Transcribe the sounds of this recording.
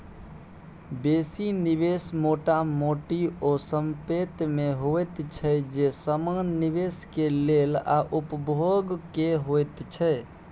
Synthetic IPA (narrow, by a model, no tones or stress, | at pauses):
besiniβesmoʈamoʈiosəmpet̪meɦoɛt̪t͡ʃʰɛd͡ʒesəmanːiβeskelela̰ʔupəbʱoɡkeɦojt̪t͡ʃʰɛ